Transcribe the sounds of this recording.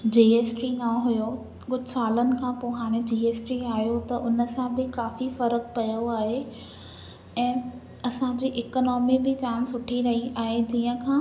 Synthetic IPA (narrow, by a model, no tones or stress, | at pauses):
d͡ʑiːeːsʈɾinaɦʊjo | kʊd͡ʑʱʊsaːlənɪ̆kʰãːpoːɦaːɽ̃ed͡ʑiːeːsʈɾiaːɦijot̪ɐʔʊnəsãbɪkaːfifɐɾək̚pɐjoaːɦe | ɛ̃ː | ɐsãd͡ʑiːʔɪkənɔːmibɪd͡ʑaːmsʊʈʰiɾɐɦiaːɦed͡ʑiːə̃kʰãː